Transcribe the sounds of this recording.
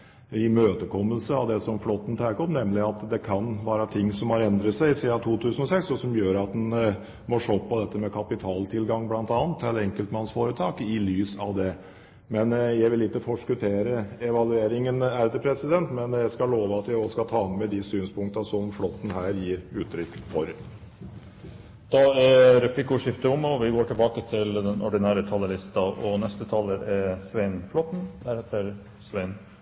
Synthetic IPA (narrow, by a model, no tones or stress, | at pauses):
ɪmøːt̪əkʰɔmːəlsəɑʋd̪ɛsɔmflɔt̪ːn̩t̪ʰæːkəɔmnɛmlɪɑt̪d̪ɛkʰɑnʋæːɾɑt̪ʰɪŋːsɔmhɑɾɛnd̪ɾət̪sæɪɪsiːɑt̪ʰuːt̪ʰʉːsənɔsɛksɔsɔmjøːɾɑt̪̚d̪ɛn | mɔʂoːpːɑd̪ɛt̪ːəmɛkʰɑpɪt̪ʰɑːlt̪ʰɪlɡɑŋːblɑnt̪ɑːnt̪ʰːɛlːəɛŋkəlt̪mɑnsfoːɾət̪ʰɑːkɪlyːsɑʋd̪ɛ | mɛnjæɪʋɪlɪkːəfɔʂkʉt̪ʰeːɾəɛʋɑlʉeːɾɪŋənæɾd̪əpʰɾɛsɪd̪ɛnt̪mɛnjæɪskɑloːʋəɑt̪jæɪɔskɑt̪ʰɑːmɛd̪ɪsyːnspʰʊŋkt̪ɑsɔmflɔt̪ːn̩hæːɾjiːɾʉːt̪ʰːɾʏkːfɔɾ | d̪̥ɑæɾɛpʰlɪkːʊʂɪft̪əʊmɔʋɪɡoːʈʰɪlbɑːkət̪ʰɪld̪ɛnʔɔ̰ɖɪnæːɾət̪ʰɑlːəlɪst̪ɑʔɔnɛst̪ət̪ʰɑːlːəɾɛsʋæɪnflɔt̪n̩d̪̥æɾhɛt̪ʰːəɾ | sʋæɪn